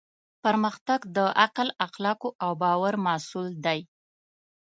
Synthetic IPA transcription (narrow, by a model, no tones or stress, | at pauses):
pəɾməxt̪aɡd̪əaqlaxlɑkoʔawbɑwaɾmasuld̪aj